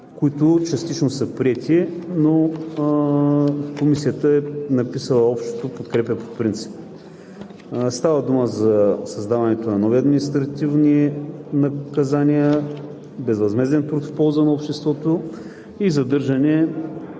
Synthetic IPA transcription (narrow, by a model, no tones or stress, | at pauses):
koit̪ot͡ʃɐst̪it͡ʃnosəpɾiɛt̪ʰino | komisiət̪əɛnɐpisəlˠəɔpʃt̪o̥t̪opot̪kɾɛpʲəpo̥pɾint̪si̥p | st̪avəd̪uməzɐsɐzd̪avɐnɛt̪onɐnɔviɐd̪minist̪ɾɐt̪ivninɐkɐzaniə | bɛzvɐzmɛzɛnt̪ɾut̪fpɔlˠzənɐopʃt̪ɛst̪vɔt̪o | izɐd̪ɤɾʒɐnɛ